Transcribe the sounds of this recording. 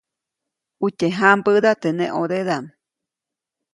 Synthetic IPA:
uteɦambəd̪at̪enẽʔoɾeðam

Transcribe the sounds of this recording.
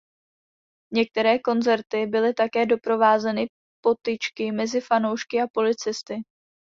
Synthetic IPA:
ɲɛk̚t̪ɛɾɛːko̞nzɛɾt̪ɪbɪlɪt̪akɛːdo̞pɾo̞vaːzɛnɪ | po̞t̪ɪt͡ʃkɪmɛzɪfano̞wʃkɪapo̞lɪt͡sɪst̪ɪ

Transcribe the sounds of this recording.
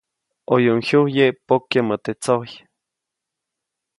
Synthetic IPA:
ojoŋhuhjeʔpokjemət̪et͡soj

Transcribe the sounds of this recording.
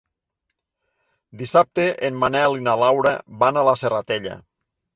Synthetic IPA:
d̪isap̚t̪eʔenmanɛlinalawɾabanalaserat̪eʎa̰

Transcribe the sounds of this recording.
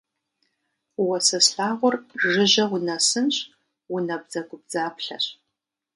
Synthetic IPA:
wɐsɐsɬaːʁʷʊrʒɪʑɐwʊnɐsɨnɕ | wʊnɐb̚d͡zɐɡʷʊb̚d͡zaːpɬɐ̰ɕ

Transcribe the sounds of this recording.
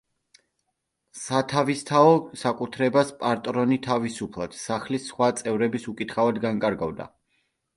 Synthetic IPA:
sat̪ʰavist̪ʰaɔsakʼut̪ʰɾɛbaspʼaɾt̪ʼɾɔnit̪ʰavisupʰlˠad̪̥saχlisːχwat̪sʼɛvɾɛbisukʼit̪χavad̪ɡaŋkʼaɾɡavd̪a̰

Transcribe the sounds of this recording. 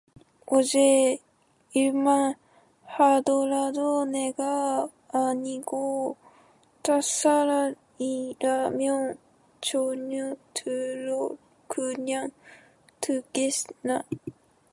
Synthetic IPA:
oʑe | iɯmã | had̪oɾad̪oneɡaː | ɲiɡo | t̪asaɾa | iɾamʲjõŋ | t͡ɕoɲot̪ʰɨɾo | kʰɯɲãŋ | t̪ʰɯɡesna

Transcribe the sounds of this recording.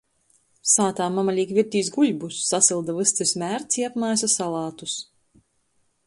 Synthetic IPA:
saːt̪aːmamalʲiːkvʲiɾt̪iːsɡuʎʲbusːasɨlˠd̪avɨst̪ɨɾsmʲæːɾt̪siapmajsasalˠɑːt̪us

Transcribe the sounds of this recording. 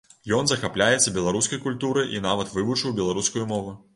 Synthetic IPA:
jɔnzɐxaplʲajɛt̪sːɐbʲɛlˠaɾuskɐjkulʲt̪uɾɨʔinavɐt̪vɨvut͡ʂɨwbʲɛlˠaɾuskujumɔvɨ

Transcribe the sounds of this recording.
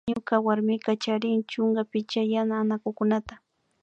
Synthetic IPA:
ɲʊkawaɾmɪkat͡ʃaɾɪŋt͡ʃʊŋɡapɪt͡ʃajanaːnakʊkʊnat̪ḁ

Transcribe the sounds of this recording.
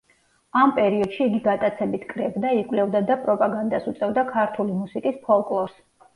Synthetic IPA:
ampʼɛɾiɔd̪̥ʃiːɡiɡat̪ʼat̪sʰɛbit̪ʰkʼɾɛbd̪aikʼwlɛvd̪ad̪apʼɾɔpʼaɡand̪asut̪sʼɛvd̪akʰaɾt̪ʰulimusikʼispʰɔlˠkʼlˠɔɾs

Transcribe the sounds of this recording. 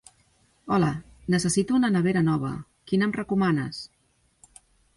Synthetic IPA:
ɔlə | nəsəsit̪uunənəβ̞eɾənɔβ̞ə̰ | kinəmrəkumanə̰s

